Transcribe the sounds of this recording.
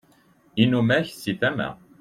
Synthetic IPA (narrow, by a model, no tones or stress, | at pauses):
inumæçsifæmæ̰